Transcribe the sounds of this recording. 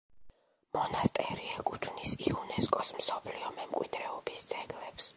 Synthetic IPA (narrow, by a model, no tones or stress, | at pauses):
mɔnast̪ʼɛɾiɛkʼut̪ʰnisiunɛskʼɔsmsɔpʰliɔmɛmkʼwḭd̪ɾɛɔbist̪sʰʼɛɡlɛps